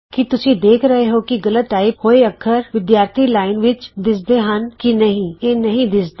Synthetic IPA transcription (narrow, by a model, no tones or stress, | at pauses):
kit̪ʊsʰĩd̪eːkʰɾɐɦeɦokiɡɐlət̪aːɪphoeɐkʰəɾʋɪd̪jaːɾt̪ʰilaːɪnʋɪt͡ʃd̪ɪsd̪eɦɐ̃nkinɐɦĩenɐɦĩd̪ɪsd̪e